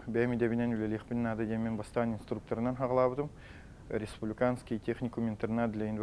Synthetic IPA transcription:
bʲæmid̪ebɪnenulʲelʲeχpʲɪnʲnad̪əd̪emːenbɑst̪ɑninst̪ruk̚t̪oɾənɑnɦɑʁlˠɑbəd̪əm | ɾʲespublʲikanskʲijt̪ʰʲeχnʲikumint̪ernɑd̪lʲejin

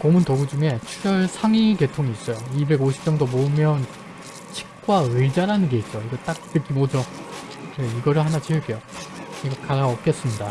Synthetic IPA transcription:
komuntoɡud͡ʑuŋe̞t͡ɕʰuɡjʌɭsʰaŋike̞tʰoŋiːs͈ʌjoibe̞ɡoɕʰi̥p̚t͡ɕ͈ʌŋdomoɯmjʌn | t͡ɕʰi̥k̚k͈waɯd͡ʑaɾanɯnɡe̞is͈ʌjoiɡʌt͈ak̚tɯk͈imʌd͡ʑo | kɯɾeiɡʌɾɯɭɦanat͡ɕiɭk͈ejoiɡʌkaɾaʌk̚k͈es͈ɯmɲida

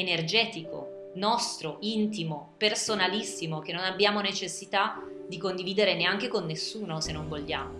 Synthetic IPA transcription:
enerd͡ʒɛːt̪iko̰ | nɔst̪ɾoʔint̪imopersonalisːimok̟enːonabːjaːmonet͡ʃesːit̪a | d̪ikond̪iviːd̪eɾeneaŋkekonːesːuːnosenːoɱvoʎːjaːmo

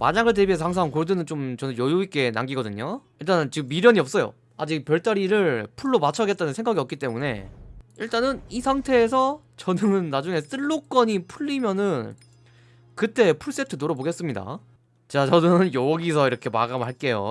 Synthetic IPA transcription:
ma̰ɲaɡɯɭte̞bies̬ʰʌhaŋs̬ʰaŋkoɭdɯnɯnt͡ɕomt͡ɕʌnɯnjojuik͈e̞na̰ŋɡiɡʌdɯɲoiɭt͈anɯnt͡ɕiɡɯmːiɾjʌɲiʌp̚s͈ʌjo̰ | ad͡ʑik̚pjʌɭt͈aɾiɾɯɭpʰuɭːomat͡ɕʰʌɡe̞t̚t͈anɯnsʰeŋɡaɡiʌk͈it͈e̞mune̞̰iɭt͈anɯnisʰaŋtʰe̞ːsʰʌ | t͡ɕʌnɯnːad͡ʑuŋe̞s͈ɯɭːok͈ʌɲipʰuʎːimjʌnɯn | kɯt͈e̞pʰuɭs͈e̞tʰɯnoɾʌboɡe̞s͈ɯmɲida̰ | t͡ɕat͡ɕʌnɯnjʌʌɡisʰʌiɾʌkʰe̞ma̰ɡamɯɭɦaɭk͈e̞jo̰

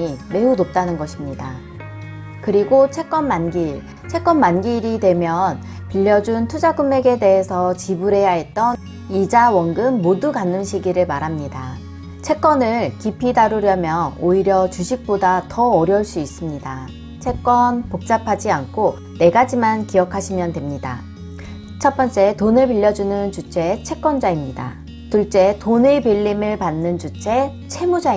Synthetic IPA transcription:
ime̞unop̚t͈anɯnɡʌɕʰimɲida | kɯɾiɡot͡ɕʰe̞k͈ʌnmanɡiɭ | t͡ɕʰe̞k͈ʌnmanɡiɾidwe̞mjʌn | piʎːʌd͡ʑuntʰud͡ʑaɡɯmːe̞ɡe̞de̞ɦe̞sʰʌt͡ɕibuɾɦe̞jaɦet̚t͈ʌn | id͡ʑawʌŋɡɯmːodukanːɯnɕʰiɡiɾɯɭmaɾɦamɲida | t͡ɕʰe̞k͈̚ʌnɯɭkipʰidaɾuɾjʌmjʌoiɾjʌt͡ɕuɕʰik̚p͈odatʌːɾjʌɭs͈uis͈ɯmɲida | t͡ɕʰe̞k͈wʌnpok̚t͡ɕ͈apʰad͡ʑiankʰo | ne̞ɡad͡ʑimankiʌkʰaɕʰimjʌndwe̞mɲida̰ | t͡ɕʰʌp͈ʌnt͡ɕ͈e̞tonɯɭpiʎːʌd͡ʑunɯnt͡ɕut͡ɕʰe̞t͡ɕʰe̞k͈wʌnd͡ʑaimɲida̰ | tuɭt͡ɕ͈e̞tonepiʎːimɯɭpanːɯnt͡ɕut͡ɕʰe̞ | t͡ɕʰe̞mud͡ʑai

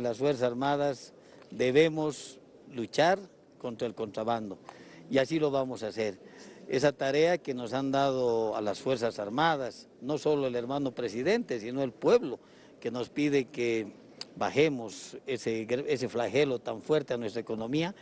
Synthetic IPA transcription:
lasfweɾsasaɾmaðas | d̪eβemos | lut͡ʃaɾ | ko̞nt̪ɾaelko̞nt̪ɾaβand̪o̞iasilo̞βamo̞sase̞ɾesat̪aɾe̞akeno̞sand̪aðoalasfwe̞ɾsasaɾmaðas | no̞so̞loeleɾmano̞pɾesiðe̞nt̪e̞sino̞elpwe̞βlo̞ | ke̞no̞spiðeke | baxe̞moseseɣese̞flaxe̞lo̞t̪aɱfwe̞ɾt̪eanwest̪ɾaeko̞no̞mia

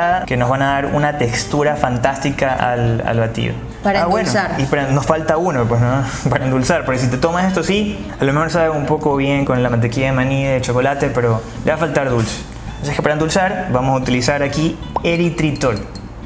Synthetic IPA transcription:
ke̞no̞zβanaðaɾṵnat̪ekst̪uɾafant̪ast̪ikaʔa̰la̰lβat̪ḭo̰ | aɾaβwwenoipaɾanosfalt̪aunopwesno | paɾand̪ulsaɾpo̞ɾkes̬it̪e̞t̪o̞masest̪osi | alome̞xo̞ɾsaβeumpo̞koβje̞ŋko̞nlamant̪̬ekiaðemãniðet͡ʃo̞ko̞lat̪e̞pe̞ɾo̞ | leβafalt̪aɾðulse̥ | osie̥kepaɾend̪ulsaɾbamosaut̪ilisaɾakieɾit̪ɾit̪ol

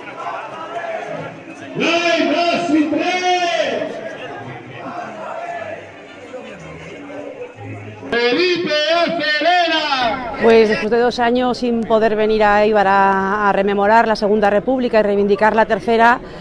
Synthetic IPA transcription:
lojposit̪ɾe | eβipeofeɾeɾapwe̞zðespwe̞zðe̞ðo̞saɲosːimpo̞ðe̞ɾβe̞niɾaejβaɾaːre̞mẽ̞mo̞ɾaɾlase̞ɣ̞und̪are̞puβlikairejβ̞ind̪ikaɾlat̪e̞ɾθe̞ɾa

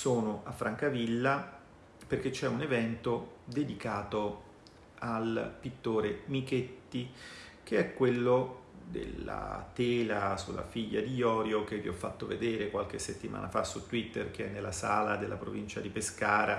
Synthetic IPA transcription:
soːnoʔafːɾʔaŋkavilːa | perk̟et͡ʃːɛunevɛnt̪od̪ed̪ikaːt̪o | alpit̪ːoːɾemiket̪ːik̟eɛkːwelːod̪ḛla̰t̪eːlasulːa̰fiʎːa̰d̪ijɔːɾjok̟evːiɔfːat̪ːoved̪eːɾekwalk̟esːet̪ːima̰ːnʔa̰fasut̪ːwit̪ːerk̟eɛnːelːasaːlad̪elːa̰pɾo̰vint͡ʃad̪ipeskaːɾa

